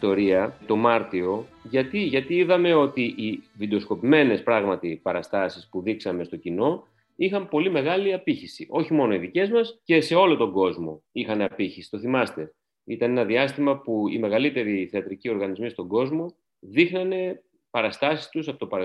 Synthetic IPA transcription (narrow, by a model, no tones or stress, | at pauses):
t̪o̞ɾiɐt̪o̞mɐɾt̪io̞ʝɐt̪iʝɐt̪iiðɐme̞o̞t̪iʔivid̪eosko̞pime̞ne̞spɾɐɣmɐt̪ipɐɾɐst̪ɐsispuðiksɐme̞st̪o̞cino̞ | ixɐmpo̞lime̞ɣɐliɐpiçisiʔo̞çimo̞no̞iðice̞zmɐsce̞se̞o̞lo̞t̪o̞ŋɡo̞zmo̞ixɐne̞ɐpiçisi̥t̪o̞θimɐst̪e̞ | it̪ɐnenɐðiɐst̪imɐpuḭme̞ɣɐlit̪e̞ɾiθeɐt̪ɾicio̞ɾɣɐnizmist̪o̞ŋɡo̞zmo̞ | ðixnɐne̞ | pɐɾɐst̪ɐsi̥st̪usɐpot̪opɐɾɐ